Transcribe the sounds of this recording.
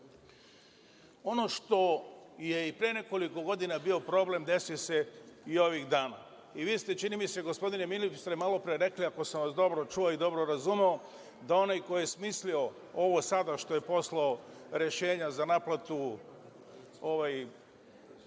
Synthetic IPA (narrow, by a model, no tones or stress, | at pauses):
o̞no̞ʃt̪o̞je̞ipɾejene̞ko̞liko̞ɡo̞d̪inabio̞pɾo̞ble̞md̪e̞sijose̞io̞ʋixd̪aːna̰ | iʋiːst̪e̞t͡ʃinimise̞ɡo̞spo̞d̪inemilipst̪ɾemalo̞pɾeɾe̞kliako̞saʋasd̪o̞bɾot͡ʃuoid̪o̞bɾo̞ɾazumeo̞ | d̪ao̞najko̞jijesmislio̞ | o̞ʋo̞sad̪aʃt̪o̞je̞po̞slaoɾe̞ʃe̞ːɲazanaplˠat̪u | oʋaj